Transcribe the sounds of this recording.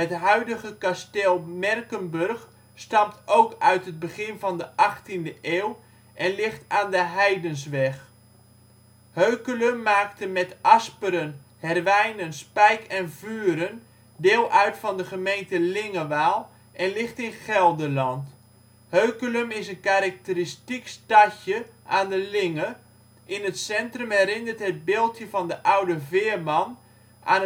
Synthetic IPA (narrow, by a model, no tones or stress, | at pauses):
ɦətɦœɥdəχəkasteːlˠmɛrkənbɵrχ | stɑmtʰowkœɥtɦəd̚bəχɪnvɑndəʔɑχtindəʔeːw | ʔɛnlɪχtaːndəɦɛjdəns̬ʋɛχ | høɥkələmːaːktəmɛtɑspəɾən | hɛrʋɛjnənspɛjkɛnvyːɾən | dɪːlˠʔœɥtfɑndəχəmejntəlɪŋəʋaːlˠ | ʔɛnlɪχtɪnχɛlˠdəlɑnt | høɥkələmɪsənkaɾak̚təɾɪstikstacəʔaːndəlɪŋə | ʔɪnətsɛntrəmɦɛɾɪnərtɦəd̚bɪːlˠtjəvɑndəʔawdəvɪːərmɑn | ʔa̰ːn